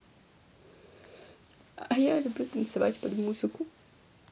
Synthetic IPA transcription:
ɐjalʲʊbʲut̪ɐnt̪sɨʋa̰tʲpɐd̪muzɨku

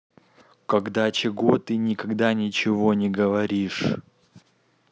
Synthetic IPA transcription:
kɐɡd̪at͡ɕɪɡot̪ɨnʲɪkɐɡd̪anʲɪt͡ɕɪvonʲɪɡəvɐɾʲiʂ

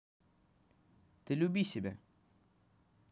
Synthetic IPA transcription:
t̪əlubisibɛ

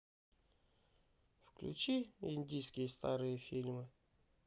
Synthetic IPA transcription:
fklʲʉ̰t͡ɕiɪ̰nʲdʲijskʲɪjəst̪aɾɨjəfʲilʲmɨ

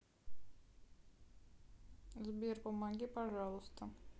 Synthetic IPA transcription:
zbʲerpəmaɡʲipaʐɑlˠəst̪ə

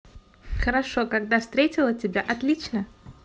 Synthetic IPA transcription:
xəɾɐʂokaɡd̪afst̪ɾʲetʲɪlˠətʲɪbʲaʔɐt̪lʲit͡ɕnə

